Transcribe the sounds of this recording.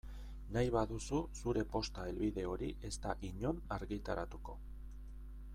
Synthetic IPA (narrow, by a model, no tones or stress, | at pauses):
najβaðususuɾe̞po̞st̪ae̞lβiðe̞o̞ɾiʔe̞st̪aʔiɲo̞naɾɣit̪aɾat̪uko̞